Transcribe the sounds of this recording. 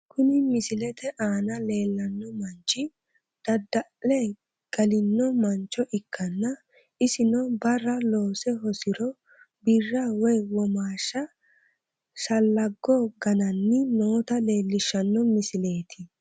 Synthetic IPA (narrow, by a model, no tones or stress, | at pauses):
kʊnɪmɪsɪlɛt̪ʰɛʔaːnɐle̞ːlːɐnːɔmɐnt͡ʃːɪ | d̪̥ɐd̪ːɐʔlɛ | ɡ̥ɐlɪnːɔmɐnt͡ʃːɔʔɪkʰːɐnːɐ | ɪsɪnɔbɐrːɐlo̞ːsɛɦɔsɪɾɔ | bɪrːɐwɔjwɔmaːʃːɐ | sɐlːɐɡːɔɡɐnɐnːɪnoːt̪ɐle̞ːlːɪʃːɐnːɔmɪsɪle̞ːt̪ʰɪ